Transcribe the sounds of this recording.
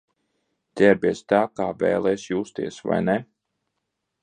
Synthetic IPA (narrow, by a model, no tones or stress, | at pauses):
t̪ʲɛɾbʲɛɛzst̪aːkaːvɛ̰ːlˠɛjsjuːst̪iɛsva̰jnɛ